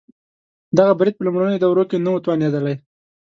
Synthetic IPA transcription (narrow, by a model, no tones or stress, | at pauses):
d̪aɣabɾɪd̪̚pəlʊmɽanəjod̪awɾokenawət̪wɑned̪əlaj